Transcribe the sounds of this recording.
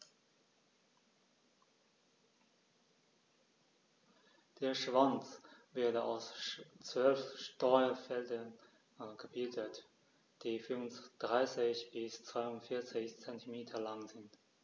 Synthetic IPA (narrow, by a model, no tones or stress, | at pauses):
d̥eːɐʃv̥ant͡svɪɐdəaʊst͡sv̥œlfʃtɔʏɐfɛldɐn | ɡ̥əbɪldət | d̥iːfynsd̥ʁaɪsɪçb̥ɪst͡sv̥aɪʊntfɪɐt͡sɪçt͡sɛntʰimeːtʰɐlaŋzɪnt